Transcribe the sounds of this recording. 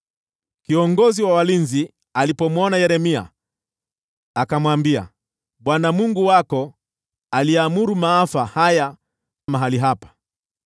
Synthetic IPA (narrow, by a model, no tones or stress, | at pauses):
kiɔŋɡɔziwawalinzi | alipɔmwɔnajɛɾɛmia̰ | akamwambia̰ | ɓwanamuŋɡuwakɔ | aliamuɾumaːfahaja | amaɦaliɦapḁ